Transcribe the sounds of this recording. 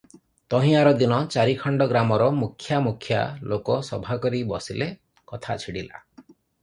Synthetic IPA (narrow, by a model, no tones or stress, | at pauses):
t̪ɔɦĩaɾɔd̪inɔt͡ʃaɾikʰɔɳɖɔɡɾamɔɾɔmukʰːjamukʰːja̰lokɔsɔbʱakɔɾibɔsile | kɔt̪ʰat͡ʃʰiɽila̰